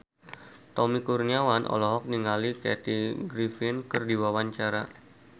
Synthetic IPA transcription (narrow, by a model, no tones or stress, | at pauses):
t̪ɔmikurniawanʔɔ̰lɔɦɔk̚niŋalikɛ̰t̪iɡɾifinkərdiwawaɲt͡ʃaɾa̰